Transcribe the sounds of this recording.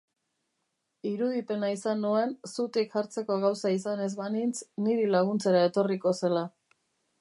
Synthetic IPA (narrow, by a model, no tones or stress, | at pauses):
iɾuð̞ipe̞naisanːue̞nsut̪ikʝaɾt͡se̞ko̞ɣ̞awsaisane̞zβanint͡sniɾilaɣ̞unt͡se̞ɾae̞t̪o̞riko̞se̞la